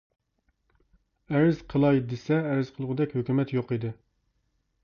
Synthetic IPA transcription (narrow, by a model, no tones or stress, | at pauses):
æɾɪz̥qʰəlˠɑjd̪esɛːɾɪz̥qʰəlˠʁʊd̪ɛkʲhøkʲymɛt̪joqid̪ɪ